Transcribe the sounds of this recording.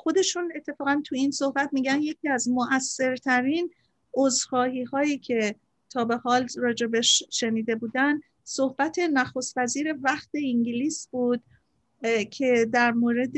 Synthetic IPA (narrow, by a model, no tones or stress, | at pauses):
xo̞d̪e̞ʃune̞t̪ʰːe̞fɒːɣænt̪ʰujiːnso̞hbæt̪miːɟænje̞cʰiːæzmoʔæsːe̞ɾt̪ʰæɾiːn | ozxɒːhiːhɒːjiːcʰe̞ | t̪ʰɒːbe̞hɒːlrɒːd͡ʒe̞beʃʃe̞niːd̪e̞buːd̪ænd̪ | sohb̥æt̪ʰe̞næxo̞st̪væziːɾe̞væxt̪ʰe̞iŋɟiliːsbuːd̪ | cʰe̞d̪æɾmoːɾe̞d̪